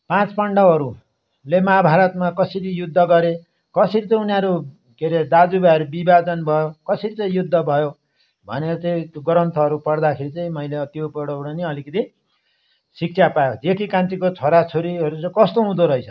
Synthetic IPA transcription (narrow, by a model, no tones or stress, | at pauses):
pãt͡spʌɳɖʌʌɾu | lemʌɦabʱaɾʌt̪makʌsʌɾijud̪ʱːʌɡʌɾe | kʌsʌɾit͡sʌ̃ĩunaɾu | keɾed̪ad͡zubaʌɾubibad͡zʌnbʱʌjokʌsʌɾit͡sʌ̃ĩjud̪ʱːʌbʱʌjo | bʱʌ̰neɾʌt͡saĩt̪ɡʌɾʌnt̪ʰʌʌɾupʌrd̪akʰeɾit͡saĩmʌjleʌt̪jopʌɽʌwɽʌniʌlikʌt̪i | sik̚t͡sʰapajod̪ekʰikanʈ̪ikot͡sʰoɾat͡sʰoɾiʌɾut͡sʌĩkʌst̪oɦũd̪oɾʌɦit͡sʰʌ